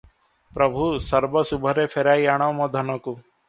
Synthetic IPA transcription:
pɾɐbʱusəɾbəsubʱəɾeːpʰeɾaːiaːɳ̃ɔmɔd̪ʱɐnɔku

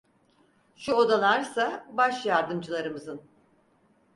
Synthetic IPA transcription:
ʃuod̪alˠaɾsabaʃjaɾd̪ɯmd͡ʒɯlˠaɾɯmɯzɯn

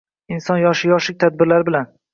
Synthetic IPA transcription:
ɪnsɒnjɒʃɪjɒʃlɪk̚ʲt̪ʰad̪̚bɪɾlaɾɪbɪlan

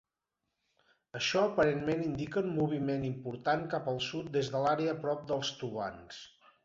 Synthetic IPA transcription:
əʃɔəpəɾenmenind̪ikəumːuβ̞imenimpuɾt̪aŋkapəlˠsut̪̚d̪ezðəlaɾeəːpɾɔp̚d̪əlˠst̪uβa̰ns

